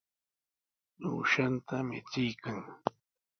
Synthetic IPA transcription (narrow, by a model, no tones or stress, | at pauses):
nṵːʃant̪amɪ̰t͡sɪjkaŋ